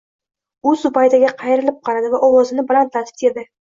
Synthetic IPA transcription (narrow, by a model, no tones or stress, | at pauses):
ʊsʊbajt̪aɡʲaqʰɑjɾɪlɪp̚qʰɑɾad̪ɪvaʔɒwɒzɪnɪbɪlant̪ʰːat̪ʰɪ̥t̪ed̪ɪ